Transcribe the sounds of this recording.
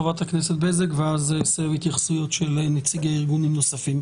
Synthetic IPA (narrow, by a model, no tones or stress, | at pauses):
ovat̪haknɛset̪̚bezekveazesehit̪jaχsujotʃelenet͡siɡaiʁɡunimnosafim